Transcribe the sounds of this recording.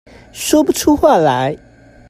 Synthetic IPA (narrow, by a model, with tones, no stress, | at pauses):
ʂwɔ˥pu˥˨ʈ͡ʂʰu˥xwa˥˩la˨˥˦ɪ